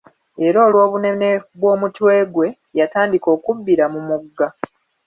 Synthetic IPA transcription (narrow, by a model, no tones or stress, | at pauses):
e̞ɾoːlwo̞ːβune̞ne̞βwo̞ːmutwe̞ːɡwe̞ | jataːndiko̞ːkubːiɾamumuɡːa